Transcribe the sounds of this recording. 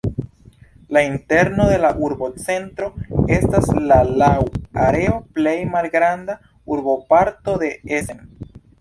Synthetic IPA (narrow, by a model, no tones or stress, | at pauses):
lainte̞ɾno̞d̪e̞laʔuɾbo̞t͡se̞ntɾo̞e̞staslalawaɾe̞o̞ple̞jmalɡɾanda | uɾbo̞paɾto̞d̪e̞esen